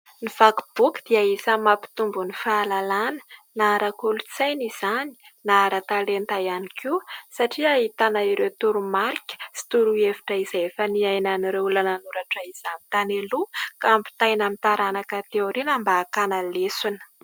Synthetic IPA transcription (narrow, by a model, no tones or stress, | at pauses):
nivakub̥ukd̪̥iaisəmapi̥t̪umbunifaːlalanə̥naɾakulut͡sajniz̥ani̥naaɾat̪alent̪ajanikʰusaʈ͡ʂiaɦit̪anaiɾewt̪uɾumaɾikʲə̥si̥t̪uɾuevi̥ʈ͡ʂəiz̥aefəniajnaniɾeulananuɾaʈ͡ʂaiz̥amit̪anelukaampi̥t̪ajnamit̪aɾanakat̪ewɾinambaːkanalesunə̥